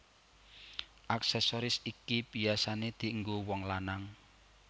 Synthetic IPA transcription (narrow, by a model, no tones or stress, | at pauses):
ʔaksɛsɔɾɪsikibiasaned̪̥i̤ʔəŋɡowɔŋlanaŋ